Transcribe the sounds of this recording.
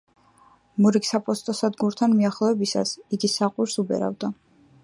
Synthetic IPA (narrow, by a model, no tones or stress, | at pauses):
muɾiksapʼɔst̪ʼɔsad̪ɡuɾt̪ʰanmiaχlˠɔɛbisa̰siɡisaqʼwiɾsubɛ̰ɾa̰vd̪a